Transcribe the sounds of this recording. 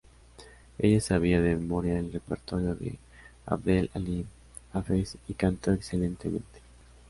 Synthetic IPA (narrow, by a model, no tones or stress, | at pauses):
e̞̰ʝasaβ̞iaðememo̞ɾjaelrepeɾt̪o̞ɾjo̞ðḛ | a̰βɾelali | afesikant̪o̞ekse̞lent̪e̞mẽ̞̰nt̪e̥